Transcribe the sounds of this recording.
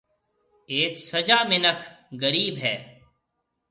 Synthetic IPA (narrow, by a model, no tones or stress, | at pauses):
eːtsəd͡ʒaːmɪnəkʰ | ɡəɾiːbɦɛː